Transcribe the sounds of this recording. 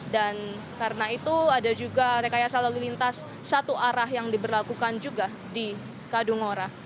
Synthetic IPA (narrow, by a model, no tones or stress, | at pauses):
dan | kaɾənait̪uadad͡ʒuɡaəɾekajasalolilint̪asː | at̪uʔaɾahjaŋdibərlakukand͡ʒuɡa | di | kaduŋoɾa